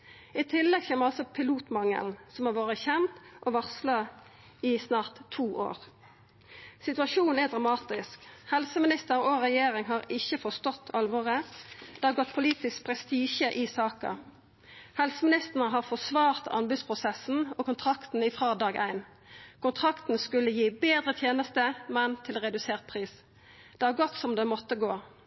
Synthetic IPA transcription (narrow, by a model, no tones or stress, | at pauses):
ɪt̪ʰɪlːɛɡçeːməʁɑlsɔpʰɪluːt̪mɑŋə̰ln̩sɔmɑʋoːɾəçɛmt̪ʔɔʋɑʁslɑ | ɪsnɑːʁt̪ʰːuːʔo̰ːʁ | sɪt̪ʉɑʃuːnn̩ɛd̪ʁɑmɑːt̪ɪskhɛlsəmɪnɪst̪əʁɔʁɛjeːɾɪŋɦɑːʁɪçːəfɔʁst̪ɔt̪ʰːɑlʋoːʁəd̪̥ɛːhɑːʁɡɔt̪̚ːpʰʊliːt̪ɪsk̚pʰʁɛst̪iːʃəʔɪsɑːkɑ̰ | hɛlsəmɪnɪst̪ənəɦɑːʁfɔsʋɑːʁt̪ʰɑ̰nbʉspʰʁʊsɛsn̩ɔkʊnt̪ʰʁɑkt̪n̩ɪfʁɑːd̪ɑːɡʔæ̰ɪn | kʊnt̪ʰʁɑkt̪n̩skʉlːəjiːbeːd̪ʁət̪ʰjeːnəst̪əmɛnt̪ʰɪlʁɛd̪ʉseːʁt̪̚pʰʁiːs | d̪̥eːhɑːʁɡɔt̪sɔmd̪emɔt̪ːəɡoː